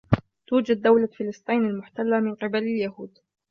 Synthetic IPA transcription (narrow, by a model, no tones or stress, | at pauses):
t̪uːd͡ʒad̪̚ːawlafɪlɨsˤt̪ˤiːnalmʊħt̪alːamɪnqɪbalaljaɦuːd̪